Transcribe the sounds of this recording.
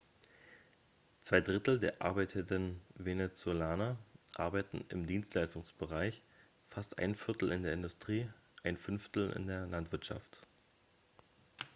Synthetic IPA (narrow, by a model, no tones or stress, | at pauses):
t͡sv̥aɪdʁɪtl̩deːɐʔa̰ɐbaɪtʰədənvenet͡solaːnɐʔa̰ɐbaɪtn̩ɪ̰mdiːnstlaɪstʊŋsb̥əʁaɪç | fastʔa̰ɪnfɪɐtl̩ɪndeːɐɪndʊstʁ̥iːʔaɪnfʏnftl̩ɪ̰ndeːɐlantv̥ɪɐtʃa̰ft